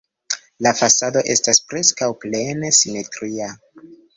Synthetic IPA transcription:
lafasado̞ʔe̞staspɾe̞skawple̞ne̞sime̞tɾia

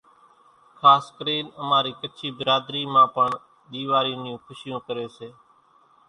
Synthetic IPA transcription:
kʰaːskəɾiːnəmãːɾiːkət͡ʃʰiːbəɾaːd̪ɾiːmãːpəɳ | ɗiːʋaːɾiːnɪjõːkʰʊʃɪjõːkəɾeːseː

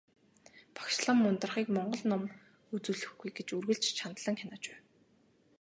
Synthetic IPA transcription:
pḁkʃɮə̆mːʊnt̪ə̆rχiːkmɔɴɢɞ̆ɮnɔm | ut͡suːɮɘ̆xɡujɡet͡ɕurɣɘ̆ɮt͡ɕt͡ɕʰant̪ɮə̆ŋxʲanaːt͡ɕpæ̥ː

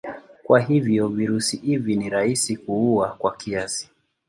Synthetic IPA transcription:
kwaɦivjɔviɾusihiviniɾaisikuuakwakiasi̥

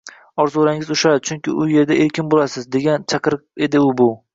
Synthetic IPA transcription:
ɒɾzoɾaŋɪzʊʃat͡ʃʰʊŋkʲɪʊje̞ɾd̪aʔeɾkʲɪnbolasɪzd̪e̞ɡʲant͡ʃʰɑqɨɾqe̞d̪ɪʊbʊ

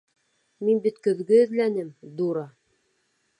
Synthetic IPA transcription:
minbit̪kɵ̆ðɡɘɘ̆ðlænɘmd̪uɾɑ

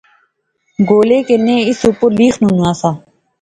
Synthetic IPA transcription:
ɡoːleːkenẽːɪsupʊliːxʰnunãːsaː

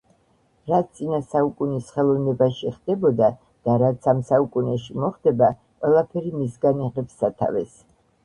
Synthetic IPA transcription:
ɾatt̪sʼinasaukʼunisχɛlˠɔvnɛbaʃiχd̪ɛbɔd̪a | d̪̥aɾat̪sʰamsaukʼunɛʃimɔχd̪ɛba | qʼwɛlˠapʰɛɾimisɡaniʁɛpsːat̪ʰa̰vɛs

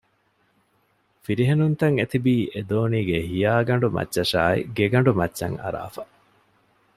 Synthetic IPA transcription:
fiɾiɦenunt̪ɐŋet̪ibiːʔed̪oːniːɡeɦijaːɡɐɳ̆ɖumɐ̰tːʃɐʃaːḭɡeɡɐɳɖumɐtːʃɐ̰ŋɐ̰ɾa̰ːfɐ̥

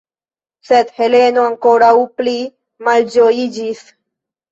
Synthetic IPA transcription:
sed̪he̞le̞noaŋkoɾawpli | mald͡ʒojid͡ʒis

